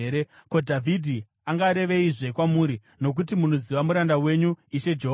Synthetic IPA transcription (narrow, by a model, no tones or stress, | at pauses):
eko̞dʱavʱidʱi | aŋɡaːɾe̞ʋe̞iʐe̞kwamuːɾi | no̞k̬ut̬imuno̞ziʋamuɾandawe̞ɲuiʃe̞d͡ʒeɦ